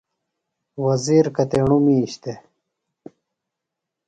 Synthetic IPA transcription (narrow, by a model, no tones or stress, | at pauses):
wɐziɾkɐt̪eɳumiɕt̪e